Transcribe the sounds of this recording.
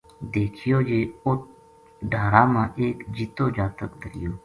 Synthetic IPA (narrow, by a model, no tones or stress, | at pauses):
d̪eːkʰijoːd͡ʒeːʊt̪ | ɖaːɾaːmãːʔeːkd͡ʒit̪oːd͡ʒaːt̪əkd̪əɾijoː